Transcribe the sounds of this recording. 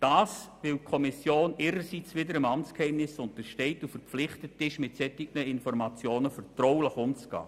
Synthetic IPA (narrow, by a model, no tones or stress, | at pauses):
d̥ɑːsʋɪl̚kʰɔmɪsjoːnɪːɾəsit͡sʋɪdəɾəmɑmt͡skhɛɪmnɪsʊntəʃtɛɪtufərflɪχtətɪʃmɪtsɛtɪɡ̚nəɪnfɔɾmɑt͡sjoːnəfərtroʊləχʊmt͡sɡ̥ɑ̰ː